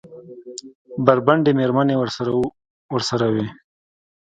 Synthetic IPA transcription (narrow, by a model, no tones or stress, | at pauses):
baɾbaɳɖemeɾmanewəɾsɾa | wəɾsaɾawe